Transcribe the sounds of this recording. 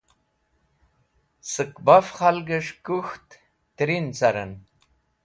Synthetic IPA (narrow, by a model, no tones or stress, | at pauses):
sɨkbafχalɡəʂkuxt̪ː | ɾint͡saɾə̰n